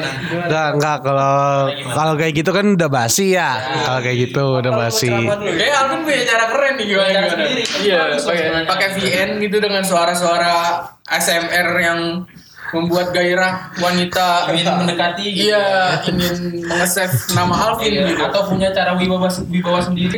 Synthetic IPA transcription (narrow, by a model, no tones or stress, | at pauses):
ŋɡaŋɡakalo | kalokajaɡit̪ukandabasija | kalokajaɡit̪udabasikajaalupʊnpuɲat͡ʃaɾapəɾɛnːɪhɡiaɲaanjaapakepiɛnɡit̪̬udəŋans̬oaɾasoaɾa | ʔɛsɛmɛrjaŋ | məmbuat̪̚ɡaiɾahwanit̪ait̪amənəkat̪iijaiŋɪnməŋəsɛfnamaɦalfɪniat̪awpuɲat͡ʃaɾawibawaswibawasəndiɾi